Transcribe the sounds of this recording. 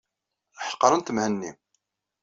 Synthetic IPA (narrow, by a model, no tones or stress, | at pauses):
ħə̥qːɾˤənt̪əmhənːi